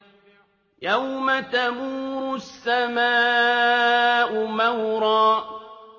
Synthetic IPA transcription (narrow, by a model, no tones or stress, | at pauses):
jawmat̪amuːɾʊsːamaː | ʔʊmawɾɑː